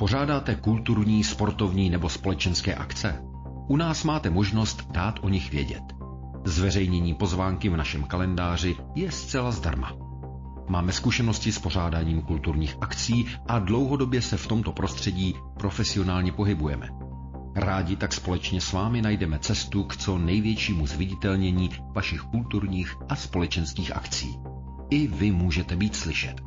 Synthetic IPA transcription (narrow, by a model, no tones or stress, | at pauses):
po̞raːdaːt̪ɛkult̪uɾɲiːspo̞ɾt̪o̞vɲiːnɛbo̞spo̞lɛt͡ʃɛnskɛ̰ːʔakt͡sɛ | ʔunaːsmaːt̪ɛmo̞ʒno̞st̪daːt̪ʔo̞ɲɪxvjɛ̰ɟɛ̰t̪ | zvɛrɛjɲɛɲiːpo̞zvaːŋkɪvnaʃɛmkalɛndaːr̝ɪ | jɛst͡sɛlazda̰ɾma̰ | maːmɛskuʃɛno̞scɪspo̞r̝aːdaːɲiːmkult̪uɾɲiːxʔakt͡siːʔadlo̞wɦo̞do̞bjɛsɛft̪o̞mt̪o̞pɾʔost̪r̝̥ɛɟiː | pɾo̞fɛsɪo̞naːlɲɛpo̞ɦɪbujɛmɛ̰ | ɾaːɟɪt̪akspo̞lɛt͡ʃɲɛsvaːmɪnajdɛmɛt͡sɛst̪ukt͡so̞nɛjvjɛt͡ʃiːmuzvɪɟɪt̪ɛlɲɛɲiːvaʃɪxkult̪uɾɲiːxʔaspo̞lɛt͡ʃɛnskiːxʔa̰kt͡sḭː | ʔɪvɪmuːʒɛt̪ɛbiːt̪slɪʃɛt̪